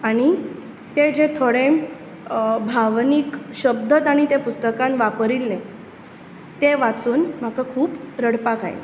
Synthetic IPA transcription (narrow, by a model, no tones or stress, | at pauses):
aɽ̃i | t̪ed͡ʑet̪ʰoɽẽ | bʱaʋnikɕəb̚d̪ət̪aɽ̃it̪epust̪əkãnʋapɾilne | t̪eʋat͡suːnm̤akakʰuːpɾəɽpakaj̰l